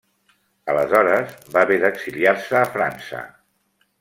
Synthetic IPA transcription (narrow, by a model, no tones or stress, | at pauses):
ələzɔɾəzbaβeðəɡz̥iliarsəːfɾansə̰